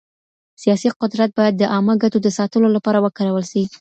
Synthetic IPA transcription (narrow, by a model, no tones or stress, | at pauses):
sijɑsiqʊd̪ɾat̪̚bɑjad̪ːəʔɑməɡat̪od̪əsɑt̪əlolapɑɾawəkaɾawəlʃai